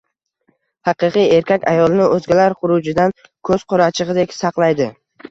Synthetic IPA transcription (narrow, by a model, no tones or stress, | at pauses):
hɑqɨqɨje̞ɾkʲakʲa̰jɒlˠɪnɪɵzɡʲalaɾχʊɾud͡ʒɪd̪an | kʰɵz̥qʰʊɾat͡ʃʰɪʁɨd̪ekʲsɑqlˠajd̪ɪ